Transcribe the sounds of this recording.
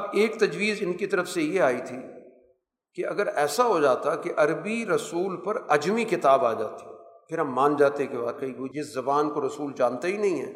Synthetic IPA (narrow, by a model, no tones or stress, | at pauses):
ɐbeːkt̪ɐd͡ʒʋiːzɪnkit̪ɐɾəfsejeaːit̪ʰi | keɐ̰ɡəɾɛːsaɦod͡ʒaːt̪akeʔɐɾbiɾɐsuːlpɐɾɐd͡ʒmikɪt̪aːbaːd͡ʒa̰ːt̪eɦɛ̃pʰɪɾɦɐmːãːnd͡ʒaːt̪ekebaːd̪̚kɐɦiɡoid͡ʒɪszɐbaːnkoɾɐsuːld͡ʒãːnt̪aɦinɐɦĩɦɛ̰ː